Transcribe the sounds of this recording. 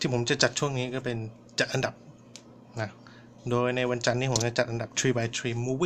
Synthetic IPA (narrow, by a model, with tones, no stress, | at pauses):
t̪ʰiː˥˩pʰo˩˦mt͡ɕa˨˩t͡ɕa˨˩t̪̚t͡ɕʰu˥˩əŋniː˦˥kɔː˥˩pe˧n | t͡ɕa˨˩t̪ʔa˧nda˨˩p̚ | na˦˥ | doː˧jna˧jwa˧nt͡ɕa˧nːiː˦˥pʰo˩˦mt͡ɕa˨˩t͡ɕa˨˩t̪ʔa˧nda˨˩p̚t̪ʰɾiː˧ba˧jt̪ʰɾiː˧muː˧wi˥˩